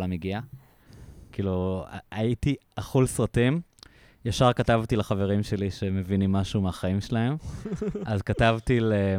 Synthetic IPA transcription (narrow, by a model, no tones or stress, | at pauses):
lamiɡia | kiːlṵaitiaχulsʁatim | jaʃaʁkatavtilaχaveʁimʃe̞liʃe̞me̞vinimaʃumeaχaimʃelahe̞m | azkatavtile